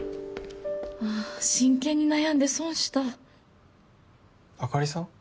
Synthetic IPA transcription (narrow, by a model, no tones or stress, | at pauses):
aːɕĩŋkẽɲ̟ːinajãnd̪e̞sõñɕi̥t̪a | akaɾʲisã